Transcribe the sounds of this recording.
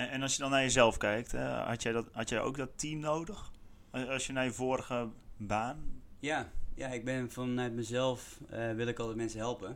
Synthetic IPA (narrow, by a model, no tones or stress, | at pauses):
ɛnɔlsjədɔnːajəzɛlˠfkɛjk̚tɛ̰hɑ̰tjɛjdɔthatjɛjo̰wk̚dɔtːimnowdəx | sjənajəvoːrəɣəbaːnjajaɪɡ̚bɪnfɔnːɛtməzɛlˠfʋɪlˠɪkɔlˠtətmɛnsəɦɛlˠpə